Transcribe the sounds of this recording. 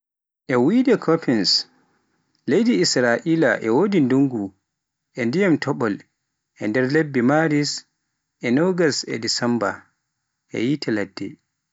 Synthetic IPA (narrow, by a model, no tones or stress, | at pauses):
ʔɛwidɛkʰopʰins | lejdiːsɾaʔiːlaʔɛwodinduŋɡu | ʔɛndijamtɔɓɔl | ʔɛndɛɾlebːimaɾis | ʔɛnoɡasɛ̰disɛmba̰ | ʔɛ̰jitɛladːɛ̰